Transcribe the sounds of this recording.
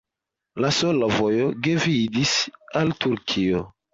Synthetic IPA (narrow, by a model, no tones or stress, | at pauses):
lasolavo̞jo̞ɡevidisaltuɾkʰio